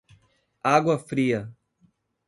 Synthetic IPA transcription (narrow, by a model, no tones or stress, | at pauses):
aɡwɐfɾiːɐ